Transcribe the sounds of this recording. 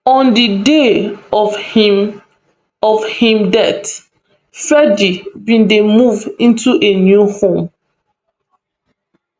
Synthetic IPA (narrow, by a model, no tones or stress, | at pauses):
ɔ̃ndideɔf | ɔvhĩmdɛt | fɛdibĩndemuvĩntuʔenjuhõm